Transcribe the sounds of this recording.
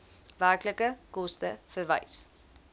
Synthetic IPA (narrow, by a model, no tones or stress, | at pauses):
ʋæːkləkəkost̪əfəʋa̰js